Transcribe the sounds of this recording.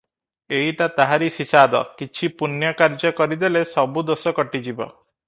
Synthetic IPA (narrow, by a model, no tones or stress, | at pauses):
eiʈat̪aɦaɾisisad̪ɔ̰kit͡ʃʰipunjɔkaɾd͡ʒɔkɔɾid̪elesɔbud̪osɔkɔʈid͡ʒibɔ̰